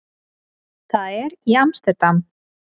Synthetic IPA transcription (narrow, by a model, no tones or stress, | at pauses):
θaðɛɾiamst̪ɛt̪am